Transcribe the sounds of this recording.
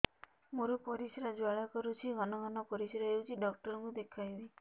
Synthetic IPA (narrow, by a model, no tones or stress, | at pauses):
moɾupɔɾisɾad͡ʒwaɭakɔɾut͡ʃʰiɡɔnɔɡɔnɔpɔɾisɾaeut͡ʃʰiɖɔk̚ʈɔɾɔŋkud̪ekʰajli